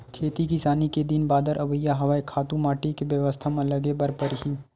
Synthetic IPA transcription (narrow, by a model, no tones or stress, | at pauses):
kʰeːt̪ikɪsaːniked̪ɪnbaːd̪əɾʔɐʋəjːaɦɐʋaːekʰaːt̪ũmaːʈikeʋjɐʋəst̪ʰamãlɐɡebɐɾpəɾɦiː